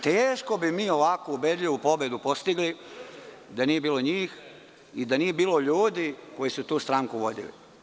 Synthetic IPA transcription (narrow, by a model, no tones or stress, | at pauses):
t̪eːʃko̞bimiːo̞ʋakoubed̪ʎiʋupo̞bed̪upo̞st̪iɡli | d̪anijebiːlˠo̞ɲiːx | id̪anije̞biːlo̞ʎuːd̪iko̞jisut̪uːst̪ɾaŋkuʋo̞d̪ḭlḭ